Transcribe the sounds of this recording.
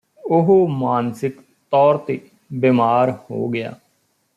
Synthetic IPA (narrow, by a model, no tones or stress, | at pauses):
ʊɦomaːnsɪk | t̪ɔːɾt̪eː | beːmaːɾho̰ːɡɪja̰ː